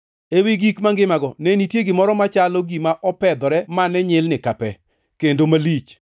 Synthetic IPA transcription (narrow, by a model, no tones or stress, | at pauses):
ewiɡikmaŋɡɪmaɡɔnenitjeɡɪmɔɾɔmat͡ʃalɔɡimaʔɔpɛd̪ɔɾɛmanɛɲɪlnɪkapɛ | kendomalit͡ʃ